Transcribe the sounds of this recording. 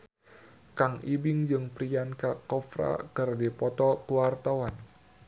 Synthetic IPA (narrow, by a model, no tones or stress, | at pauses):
kaŋibɪŋd͡ʒɨŋpɾiankakɔfɾa̰kɨrdipɔt̪ɔkəwart̪awan